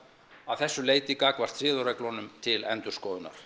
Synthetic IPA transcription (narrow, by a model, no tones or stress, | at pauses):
avθɛsːʏleːjt̪ɪkaːkvar̥t̪sɪːðɔɾɛklɔnʏmt̪ʰɪlɛnt̪ʏ̥skɔːðʏnːa̰ɾ̥